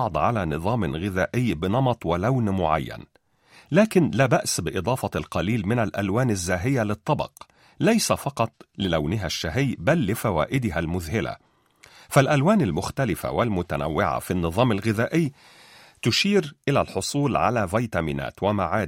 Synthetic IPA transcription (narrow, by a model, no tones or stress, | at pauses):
ʕd̪ˤʕalaːnɨðˤɑːmɣɪðæːʔɪjːbɪnɑmɑt̪ˤwɪlawnmʊʕa̰jːa̰n | læːkɪnlæːbaʔsbɪʔɨd̪ˤɑːfɑlqɑliːlmɪnalʔælwaːnazːaːɦɪjːalɨt̪ˤːɑbɑ̰q | lajsafɑqɑt̪ˤlɪlawnɪɦaʃːaɦɪjːbalːɪfæwa̰ːʔɪd̪ɪɦalmʊðhɪla̰ | falʔælwaːnalmʊxt̪alɪfa̰wɪlmʊt̪æna̰wːɪʕa̰finːɨðˤɑːmalɣɪðaːʔɪjː | t̪ʊʃiːɾʔɪlælħosˤuːlʕa̰lævɑjt̪amḭːnæ̰ːt̪wɪmaʕaːd̪